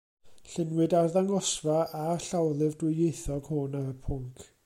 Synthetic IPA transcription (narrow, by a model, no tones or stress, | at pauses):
ɬɪnwɨdarðaŋɔsvaʔaɬawlˠɨvdwɪejθɔɡ̥honaɾəpʰʊŋkʰ